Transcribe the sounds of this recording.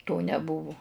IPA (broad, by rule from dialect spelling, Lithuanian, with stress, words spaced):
toː nʲɛˈbʊʋʊ